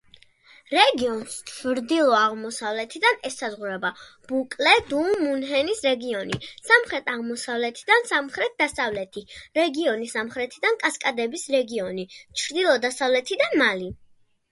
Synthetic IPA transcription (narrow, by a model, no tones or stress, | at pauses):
ɾɛɡiɔnst͡ʃʰvɾd̪ilˠɔaʁmɔsavlɛt̪ʰid̪anɛsazʁuɾɛbab̥ukʼlɛd̪umunɦɛnisɾɛɡiɔnisamχɾɛt̪ʰaʁmɔsavlɛt̪ʰid̪ansamχɾɛt̪̚d̪asavlɛt̪ʰiɾɛɡiɔnisamχɾɛt̪ʰid̪ankʼaskʼad̪ɛbisɾɛɡiɔnit͡ʃʰɾd̪ilˠɔd̪asavlɛt̪ʰid̪amali